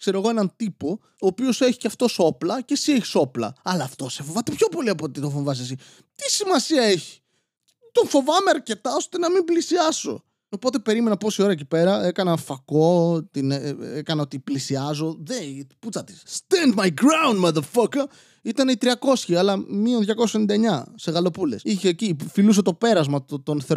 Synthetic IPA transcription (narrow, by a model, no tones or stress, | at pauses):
kse̞ɾoɣo̞e̞nɐnt̪ipo̞ | oːpio̞se̞çi̥ceɐft̪o̞so̞plɐce̞sieçi̥so̞plɐ̰ɐlɐːft̪o̞sefo̞vɐt̪epço̞po̞liɐpot̪it̪oɱfo̞vɐsesi | t̪isimɐsiɐeçi̥ | t̪o̞nfo̞vɐmeɐɾce̞t̪ɐo̞st̪e̞nɐmimblisiɐso̞̰ | opo̞t̪e̞pe̞ɾime̞nɐpo̞sio̞ɾɐecipe̞ɾɐe̞kɐnɐfɐko̞t̪inekɐnɐo̞t̪iplisiɐzo̞ðeput͡sɐt̪i̥sst̪ɛ̃nd̪mɐjɡɾawndmɐðəɾfɐk | it̪ɐnit̪ɾiɐko̞sçiɐlɐmionðʝɐko̞ssenind̪ɐeɲɐse̞ɣɐlo̞pule̞siçecifilus̬e̞t̪o̞pe̞ɾɐzmɐt̪onθeɾ